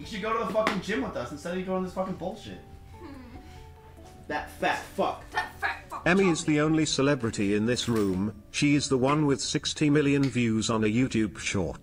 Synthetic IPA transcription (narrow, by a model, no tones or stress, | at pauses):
jɨɡoʊɾəðəfʌkɪ̃ŋd͡ʒɪ̃mwəððʌsn̩stɛdjɨɡoʊ̃n̩ðɪsfʌkɪ̃ŋboʊlˠʃɪ̰t̚ | ðɨtðɨfʌkðtfɛmiɨzðiõʊ̃nlisəlɛbɹɨɾiɪ̃nðɪsɹʉ̃m | ʃiɨzðəwʌ̃nwɪð̥sɪkstʰimɪlˠjɨ̃nvjʉzn̩ɨjʉtʰʉb̥ʃɔ̰ɹt̚